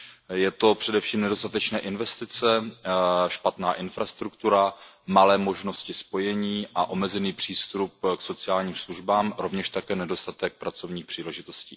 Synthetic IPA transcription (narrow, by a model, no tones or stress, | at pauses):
jɛt̪o̞pr̝̥ɛdɛfʃiːmnɛdo̞st̪at̪ɛt͡ʃnɛːʔɪnvɛst̪ɪt͡sɛ | ʃpat̪naːʔɪnfɾast̪ɾukt̪uɾamalɛːmo̞ʒno̞scɪspo̞jɛɲiːʔaʔo̞mɛzɛniːpr̝̥iːst̪ɾup̚kso̞t͡sɪaːlɲiːmsluʒbaːmɾo̞vɲɛʃt̪akɛːnɛdo̞st̪at̪ɛk̚pɾat͡so̞vɲiːxpr̥iːlɛʒɪt̪o̞scḭː